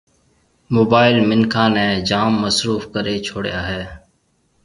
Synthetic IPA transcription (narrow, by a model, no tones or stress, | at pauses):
moːbaːɪlmɪnkʰãːnɛːd͡ʒaːmːəsɾuːfkəɾeːt͡ʃʰoːɽja̰ːɦɛː